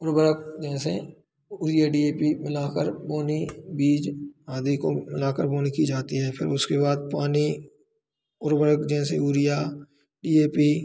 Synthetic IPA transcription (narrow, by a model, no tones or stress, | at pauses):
ʊɾbəɾək̚d͡ʒɛːse | uːɾɪjaɖiːeːpimɪlaːkəɾboːnibiːd͡ʒaːd̪ikomɪlaːkəɾboːnikid͡ʒaːt̪iɦɛːpʰɪɾʊskeβaːd̪̚paːni | ʊɾbəɾəkd͡ʒɛ̃ːseuːɾɪjaː | ɖiːeːpiː